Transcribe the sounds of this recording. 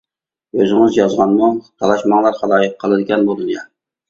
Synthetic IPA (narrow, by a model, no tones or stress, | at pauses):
øzɪŋɪzjɑzʁɑnmut̪ʰɑlˠɑʃmɑŋlˠɑɾχɑlˠɑːjɨq̚ʰːəlˠɨd̪ɪɡʲɛnbolˠɨnjɑ